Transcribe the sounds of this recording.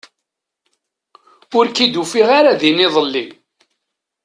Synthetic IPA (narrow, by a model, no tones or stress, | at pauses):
ʊɾkid̪ufiʁaɾaðinɪðˤəlːi